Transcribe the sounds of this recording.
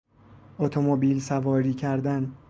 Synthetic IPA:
ot̪ʰomobiːlsævɒːɾiːcʰæɾd̪æn

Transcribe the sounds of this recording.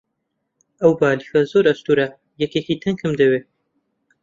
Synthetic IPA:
ɐwbaːlixɐzoːɾɐst̪uːɾɐ | jɐkeːkit̪ʰɨŋkʰɨmd̪ɐweː

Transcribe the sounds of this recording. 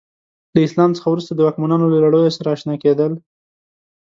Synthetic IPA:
laɪslɑmt͡sə̥xawɾust̪ad̪əwɑkmanɑnolalaɽojosaɾaːʃnɑked̪əl

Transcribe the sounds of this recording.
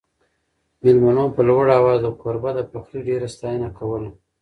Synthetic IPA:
mɪlmanopəlwaɽaːwɑzawkoɾbad̪əpaxɾiɖeɾast̪ɑjənakawəl

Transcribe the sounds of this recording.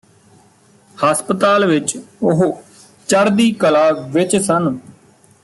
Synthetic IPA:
haːspət̪aːlʋɪt͡ʃʊɦ | t͡ʃəɾd̪iːkəlaːʋɪt͡ʃsən

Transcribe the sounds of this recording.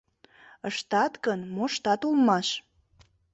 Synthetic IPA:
əʃt̪ɑt̪kənmoʃt̪ɑt̪ulmɑʃ

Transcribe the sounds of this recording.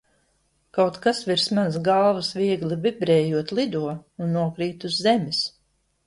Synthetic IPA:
kawt̪kasviɾsmansɡalˠvɐsvʲiɛɡlivibɾɛːjuɔt̪lˠid̪uɔunːuɔkɾiːt̪uzːɛmʲis

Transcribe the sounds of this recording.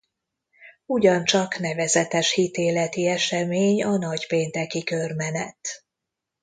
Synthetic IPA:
uɟɒnt͡ʃɒknɛvɛzɛt̪ɛʃhit̪eːlɛt̪iɛʃɛmeːɲɒnɒɟpeːnt̪ɛkikørmɛnɛt̪

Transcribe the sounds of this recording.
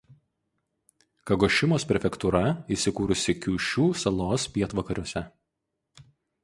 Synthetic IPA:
kɐɡɔːʃʲɪmoːspʲɾʲɛfʲɛkt̪uɾɐiːˑsʲɪkuːɾʊsʲɪkʲuːʃʲuːsɐlˠoːspʲiɛt̪ʋɐkɐɾʲuɔsʲɛ

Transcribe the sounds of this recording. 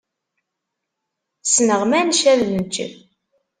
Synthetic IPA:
snəʁmænʃæðnənt͡ʃːə̰m

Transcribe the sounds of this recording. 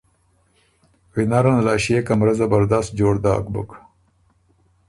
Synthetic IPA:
winaɾanalɑːʃekamɾazabaɾd̪ast̪̚d͡ʒoːɽd̪ɑ̰ːkbʊ̰k

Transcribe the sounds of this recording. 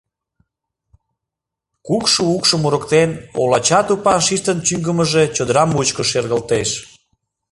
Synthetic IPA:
kukʃuukʃəmuɾəkt̪eno̰lɑt͡ɕɑt̪upɑʃiʃt̪ənt͡ɕyŋɡəməʒe̽t͡ɕod̪əɾɑmut͡ɕkoʃerɣəlt̪eʃ

